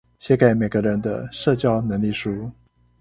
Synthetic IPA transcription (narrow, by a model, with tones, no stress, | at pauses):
ɕjɛ˧˥ka˨˩ɪme˨˩ɪɡə˧˦ɻə˧˥nd̪ə̰˧ʂɤ˥˧t͡ɕjɑ˥˩ʊnɤ˧˥ŋli˥˩ʂu˥